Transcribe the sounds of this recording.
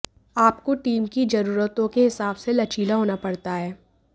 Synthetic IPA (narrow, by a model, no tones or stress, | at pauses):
aːpkoʈiːmkid͡ʒɐɾuːɾət̪õkeɦɪsaːbselɐt͡ʃiːlaɦoːnapɐɽt̪aɦɛː